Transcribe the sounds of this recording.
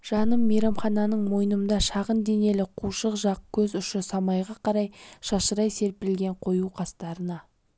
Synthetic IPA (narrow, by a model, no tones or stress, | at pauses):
ʒ̥ɑnəmːejɾɑmχɑnɑnəɴmo̞jənəənd̪ɑʃɑʁənd̪e̞ne̞lɪqʰuʃəqʒɑq̚kʲʰɵzʏʃɪsɑmɑjʁɑqʰɑɾɑjʃɑʃəɾɑjse̞ɾpɪɾɪlɡʲe̞ɴqʰo̞juqʰɑst̪ɑɾənɑ